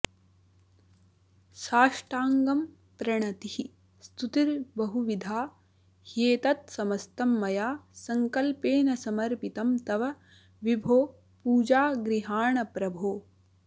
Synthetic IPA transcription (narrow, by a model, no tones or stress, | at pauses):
ʃaːʂʈaːŋɡɐm | pɾɐɳɐt̪ihi | st̪ut̪iɾbɐɦuʋid̪ʱaː | heːt̪ɐt̪sɐmɐst̪ɐmːɐjaːsɐŋkɐlpeːnɐsɐmɐɾpit̪ɐmt̪ɐʋɐ | ʋibʱoː | puːd͡ʒaːɡɾiɦaːɳɐpɾɐbʱoː